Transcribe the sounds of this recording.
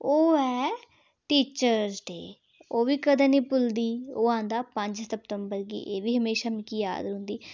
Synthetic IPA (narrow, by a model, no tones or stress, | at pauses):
oːɛː | ʈiːt͡ʃəɾzʈ̪ḛː | oːʋiːkəd̪ãːniːpʊld̪iːoːãːnd̪aːpəɲd͡ʒssəp̚t̪əmbəɾɡḭːʔeːʋiːɦəmeːʃaːmɪkiːja̰ːd̪ɦʊ̃nd̪iː